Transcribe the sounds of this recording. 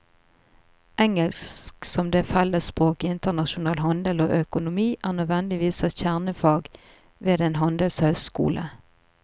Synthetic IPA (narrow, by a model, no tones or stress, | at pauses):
ʔɛŋəlsksɔmd̪efɛləspʁoːkɪɪnt̪əʁnɑʃʊnɑːlɦɑnd̪əloːʔœkʊnʊmiːʔæːʁnœd̪ʋɛnd̪ɪʋiːsɛçæʁnəfɑːɡ | ʋeːd̪eːnɦɑnd̪əlshœʏskṵːlʔə̰